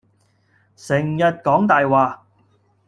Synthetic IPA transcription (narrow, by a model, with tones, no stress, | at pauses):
sɪ˨˩ŋjɐ˨t̚kɔː˨˥ŋt̪aː˨jwaː˨